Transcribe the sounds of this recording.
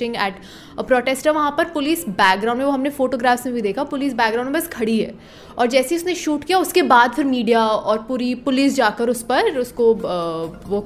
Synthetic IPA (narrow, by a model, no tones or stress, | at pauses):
ɪ̃ŋɡɛːʈ | pɾɔːʈeːsʈəɾʋɐɦãpɐɾpʊliːsbɛːk̚ɡɾãʊ̃ɳɖmẽʋoɦɐmnẽfoːʈoːɡɾaːfsmẽbʱid̪eːkʰapʊliːs̬bɛːkɡɾãʊ̃ɖmebɐskʰɐɽiɦɛ̰ː | ɔːɾd͡ʒɛːsiʊsneʃuːʈkijaʊskebaːd̪pʰɪɾmiːɖijaɔːɾpuːɾipʊliːsd͡ʒaːkəɾʊspɐɾʊsko | ʋo